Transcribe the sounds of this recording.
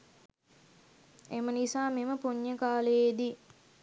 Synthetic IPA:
emənisaːmeməpuɲːəkaːləjed̪i

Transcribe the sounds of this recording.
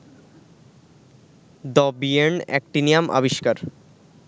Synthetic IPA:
d̪ɔbieɳɛ̰k̚ʈinijamʔa̰biʃkaɾ

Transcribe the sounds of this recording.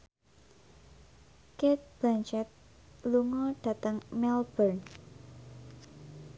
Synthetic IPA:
ket̪̚b̥ant͡ʃɛt̪̚ | luŋɔɖ̥a̤t̪əŋmɛlb̥ərn

